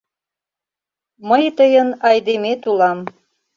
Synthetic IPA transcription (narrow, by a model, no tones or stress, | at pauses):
məjt̪əjənɑjd̪emet̪ulɑm